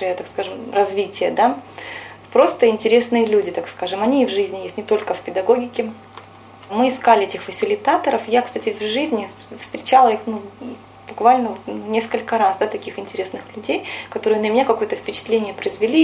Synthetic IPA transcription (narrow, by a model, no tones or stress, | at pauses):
ɨjət̪akskaʐɨmrɐzvʲitʲɪjəd̪a | pɾo̞st̪əɪnʲtʲɪɾʲe̞snɨjəlʲudʲɪt̪akskaʐɨmɐnʲiːvʐɨzʲnʲɪjesʲtʲnʲɪt̪o̞lʲkəfʲpʲɪd̪ɐɡo̞ɡʲɪkʲɪ | mɨɪskalʲɪetʲɪxfəsʲɪlʲɪt̪at̪əɾəfjakst̪atʲɪvʲʐɨzʲnʲɪfst̪ɾʲɪt͡ɕalˠəixnu | bʊkvalʲnəunʲe̞skəlʲkəɾasd̪at̪ɐkʲixɪnʲtʲɪɾʲe̞snɨxlʲʉdʲejkɐt̪o̞ɾɨjənəmʲɪnʲakɐko̞jət̪əfpʲɪt͡ɕɪ̥t̪lʲenʲɪjəpɾəɪzvʲɪlʲi